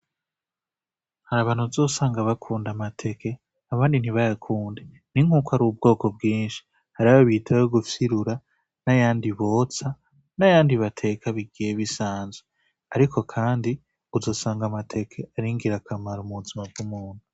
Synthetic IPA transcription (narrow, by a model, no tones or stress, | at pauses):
haɾaβaːn̥huzo̞ːsaːŋɡaβakʰuːndamatʰe̞ke̞ | aβaːndiniβajakʰuːnde̞ | n̥iŋ̥uːkaɾub̚ɡo̞ːko̞bɡiːnʃi̥ | haɾaβaβitʰajoɡufiɾuɾa | najaːndiβo̞t͡sa | najaːndiβatʰe̞kʰaβiɡijeβisaːnzwe | aɾikʰo̞kʰaːndi | uzo̞ːsaːŋɡamatʰe̞kʰe̞aɾiŋɡiɾakʰamaɾomuuzimab̚ɡumuːn̥u